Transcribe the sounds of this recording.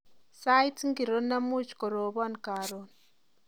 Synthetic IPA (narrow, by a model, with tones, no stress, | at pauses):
sa˦itŋɡi˨ɾo˦na˦mu˦t͡ʃi̥ko˨ɾo˨βa˦nka˨ɾon